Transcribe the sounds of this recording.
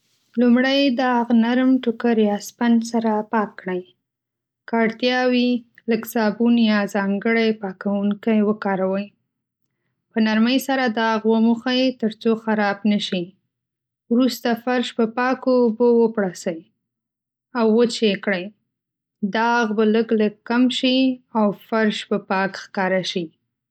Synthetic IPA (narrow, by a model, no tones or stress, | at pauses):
lumɽajd̪ɑɣnaɾmʈʊkəɾjɑspansaɾapɑkːɽəj | kɑɽt̪jɑwiləksɑbunjɑzɑŋɡəɽajpɑkawuŋkajwəkɑɾawəj | pənaɾməjsaɾad̪ɑɣwəmuxəjt̪əɾt͡soxaɾɑbnəʃi | wɾust̪afaɾʃpəpɑkoːbowəpɽasəj | awːət͡ʃekɽəj | d̪ɑɣbaləɡləɡkːamʃiawfaɾʃpəpɑkxkɑɾaʃi